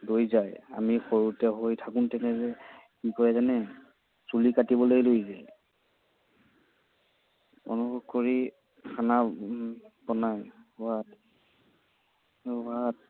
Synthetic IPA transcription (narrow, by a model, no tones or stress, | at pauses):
dojzaja̰mixoɹutɛɦojtʰakuntɛnɛzɛ | kikɔɹɛzanɛ | sulikatibɔlojlojzɛ | ɔ̰nuxukkoɹi | kʰana | bɔnajwat | wat̚